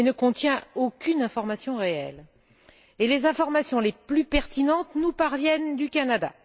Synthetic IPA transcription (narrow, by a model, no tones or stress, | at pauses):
enəkɔ̃t̪jɛ̃okʲynɛ̃fɔʁmasjɔ̃ʁeɛ̰l | elezɛ̃fɔʁmasjɔ̃leplypɛʁt̪inɑ̃t̪nupaʁvjɛnd̪ykanad̪a̰